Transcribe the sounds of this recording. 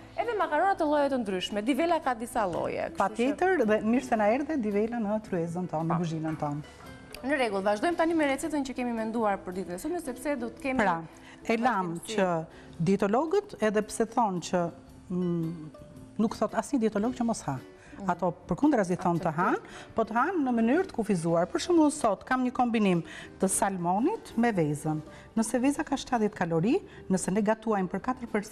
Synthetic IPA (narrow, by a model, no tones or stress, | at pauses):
ɛðɛmakaɾɔnat̪əlˠɔjɛt̪ənd̪ɾyʃmɛd̪ivɛlakad̪isalˠɔ̰jɛ̰kə̥pat̪jɛt̪əɾðɛmiɾsɛnaɛɾðɛd̪ivɛlanət̪ɾyɛzənt̪ɔnːəɡuʒinənt̪ɔn | nəɾɛɡulˠvaʒd̪ɔjmt̪animɛɾɛt͡sɛt̪ənt͡ɕəkɛmimɛnd̪uaɾpəɾd̪it̪ənɛsud̪mɛsɛpsɛd̪ɔt̪ə̥kɛmpɾa | ɛlamt͡ɕə | d̪iɛt̪ɔlɔɡət̪ɛðɛpsɛθɔnt͡ɕə | nukθɔt̪asɲəd̪iɛt̪ɔlɔɡ̚t͡ɕəmɔsha | at̪ɔpəɾkund̪ɾaz̬iθɔnt̪əɦanpɔt̪əhanːəmənyɾt̪ə̥kufizuaɾpəɾʃuməsɔt̪kamɲəkɔmbinimt̪əsalmɔnit̪mɛvɛzənː | əsɛvɛzakaʃt̪aðɛt̪kalɔɾi | nəsɛnɛɡat̪uajmpəɾkat̪əɾpɛɾs